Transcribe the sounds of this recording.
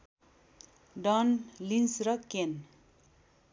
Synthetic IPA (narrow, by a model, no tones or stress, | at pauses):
ɖʌnlinsrʌken